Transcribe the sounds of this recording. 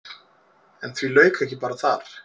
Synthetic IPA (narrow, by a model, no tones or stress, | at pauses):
ɛnθvilœːɥkɛhcːɪpaːɾaθaɾ